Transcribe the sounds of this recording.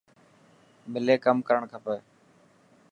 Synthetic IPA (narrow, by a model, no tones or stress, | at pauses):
mɪleːkəmkəɾəɳkʰəpəː